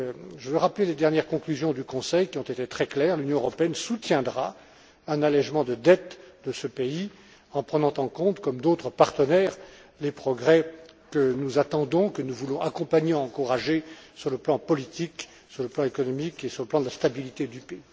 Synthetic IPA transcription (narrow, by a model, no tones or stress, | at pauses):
ʒəvøʁapleled̪ɛʁnjɛʁkɔ̃klyzjɔ̃d̪ykɔ̃sɛjkʲiɔ̃t̪et̪et̪χɛklɛːʁlynjɔ̃øʁɔpeɛnsut̪jɛ̃d̪ʁa | ɛ̃nalɛʒmɑ̃d̪əd̪ɛt̪d̪əsəpei | ɑ̃pχənɑ̃t̪ɑ̃kɔ̃t̪kɔmd̪ot̪χəpaʁt̪ənɛːʁlepχɔɡʁɛkənuzat̪ɑ̃d̪ɔ̃kənuvulɔ̃ʔakɔ̃paɲeɑ̃ːkuʁaʒesyʁləplɑ̃pɔlit̪ik | syʁləplɑ̃ekɔnɔmikesyʁləplɑ̃d̪əlast̪abilit̪ed̪ypei